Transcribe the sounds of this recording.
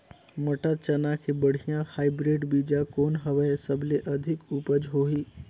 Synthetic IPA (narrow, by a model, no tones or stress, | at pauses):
mɐʈat͡ʃənakʰebəɽ̤ijãhaːɪbɾeːɖbiːd͡ʒakoːnɦɐʋəesəbleʔɐd̪ʱɪkuːpəd͡ʒɦoːɦiː